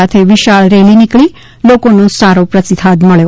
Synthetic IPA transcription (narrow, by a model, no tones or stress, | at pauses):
at̪ʰeʋiʃaɭɾelinikɭi | lokonusaɾopɾəsit̪ʰad̪məɭjo